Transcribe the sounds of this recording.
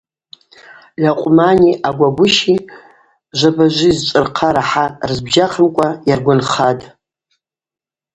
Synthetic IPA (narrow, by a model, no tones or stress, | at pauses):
laqʷʼʊmaniʔaɡʷaɡʷʊʃi | ʒʷabaʒʷizt͡ʃʷʼɨrqʰaɾaħarzbʒaχʰəmkʷʼajarɡʷʊnχatʼ